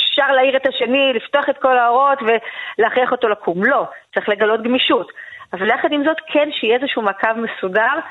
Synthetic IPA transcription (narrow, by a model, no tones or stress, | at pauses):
efʃaʁlaiʁetaʃe̞niliftoaχe̞tko̞laoʁo̞tve̞leaχiaχo̞to̞lakʰumlo̞t͡saʁiχle̞ɡalo̞tɡmiʃutavaleaχadimzo̞tkʰenʃejezeʃumakavme̞sudaʁ